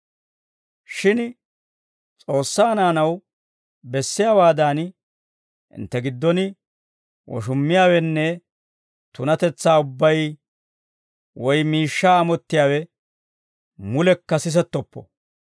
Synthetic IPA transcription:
ʃɪn | t͡sʼo̞ːsːaːnaːnɐw | bɛsːɪjaːwaːd̪aːn | ʔɪ̰nt̪ːɛɡɪd̪ːɔnɪ | wɔ̰ʃʊmːɪjaːwɛnːɛ | t̪ʊnɐt̪ɛt͡sːaːʊbːɐj | wɔjmiːʃːaːmɔt̪ːɪjaːwɛ | mʊlɛkːɐsɪs̬ɛt̪ːɔpːɔ̰

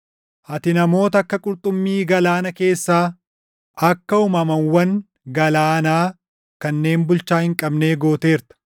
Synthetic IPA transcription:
ʔɐt̪ɪnɐmo̞ːt̪ɐɐkːɐkʼʊɾt̪ʼʊmːiːɡɐlaːnɐke̞ːsːaː | ɐkːɐʊmɐmɐnwɐŋ | ɡɐlaːnaː | kɐnːe̞ːmbʊlt͡ʃːaːhɪŋkʼɐbne̞ːɡo̞ːt̪e̞ːɾt̪ɐ̥

